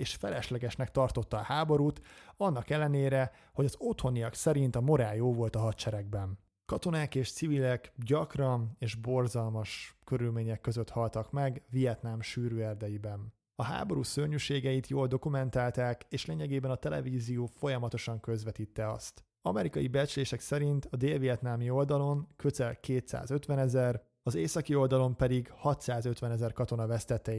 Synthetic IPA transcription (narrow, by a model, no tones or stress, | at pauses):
eːʃfɛlɛʃlɛɡɛʃnɛkt̪ɒrt̪o̞t̪ːɒːhaːbo̞ɾuːt̪ɒnːɒkɛlːɛneːɾɛ | ho̞ɟɒzo̞t̪ho̞nijɒksɛɾint̪ɒmo̞ɾaːjoːvo̞lt̪ɒɦɒt̪t͡ʃɛɾɛɡ̚bɛn | kɒt̪o̞naːkeːʃt̪sivilɛkɟɒkrɒneːʒbo̞rzɒlmɒʃkøɾylmeːɲɛkːø̞zøt̪hɒlt̪ɒkmɛɡvijɛt̪namʃyːɾøːɛrd̪ɛjibɛn | ɒɦa̰ːbo̞ɾuːsørɲyʃeːɡɛjit̪joːld̪o̞kumɛnt̪aːlt̪aːkeːʃleːɲɛɡeːbɛnɒt̪ɛlɛ̰viːzijoːfo̞jɒmɒt̪o̞ʃɒŋkø̞zʋɛt̪iːt̪ːɛɒ̰st̪ | ɒ̰mɛɾikɒjibɛt͡ʃleːʃɛksɛɾint̪ɒd̪eːlvijɛt̪naːmio̞ld̪ɒlo̞ŋkøzɛlkeːt̪sa̰ːzø̞t̪ʋɛnɛzɛr | ɒzeːsɒkio̞ld̪ɒlo̞mpɛd̪iɡhɒt̪saːzøt̪ʋɛnɛzɛrkɒt̪o̞nɒvɛst̪ɛt̪ːɛi